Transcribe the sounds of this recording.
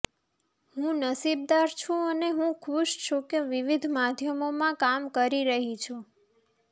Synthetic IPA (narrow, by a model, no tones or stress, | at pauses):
hũnəsib̚d̪aɾt͡ʃʰũəneɦũkʰuʃt͡ʃʰũkeʋiʋid̪ʱmad̪ʱjəmomãkamkəɾiɾəɦit͡ʃʰũ